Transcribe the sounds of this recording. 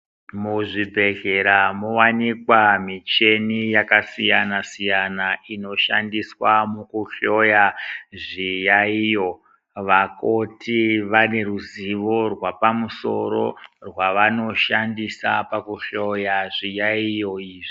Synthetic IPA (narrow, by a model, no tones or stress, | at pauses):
muʐibʱe̞ɮeɾamowanikwamit͡ʃe̞nijakasijanasijanaʔino̞ʃa̰ndiswamukuɬo̞jaʐijaijo̞ | ʋakotiʋane̞ɾuziʋo̞rwapamuso̞̰ɾo̞̰rwaʋano̞ʃandisapakuɬo̞jaʐijaijo̞iːʐi